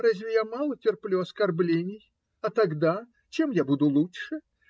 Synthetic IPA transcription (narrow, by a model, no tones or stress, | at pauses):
ɾazʲvʲɪjamalˠɐt͡sʲɛrplʲuɐskarblʲenʲːɪj | ɐt̪aɡd̪a | t͡ʃɛmjabud̪ulˠut͡ʂʂɨ